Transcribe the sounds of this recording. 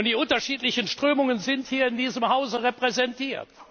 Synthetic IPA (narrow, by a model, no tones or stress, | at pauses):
ntd̥iːʊntɐʃiːtlɪçənʃtʁ̥øːmʊŋənzɪnthiːɐɪndiːzəmhaʊzəʁepʁ̥ɛzɛntʰiːɐt